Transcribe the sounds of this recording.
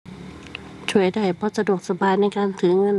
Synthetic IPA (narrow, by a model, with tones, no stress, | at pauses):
t͡ɕʰu˧˩əjda˧˩jpʰɔ˧˥˨sa˧du˨˩ək̚sa˧baː˧jna˥˨jkaː˧˩nt̪ʰɯ˨˦ŋɤ˧˥˨n